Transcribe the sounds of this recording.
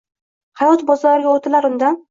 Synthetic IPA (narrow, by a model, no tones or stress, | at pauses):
hajɒt̪bɒzɒɾɪɡʲaot̪ʰɪlaɾʊnd̪an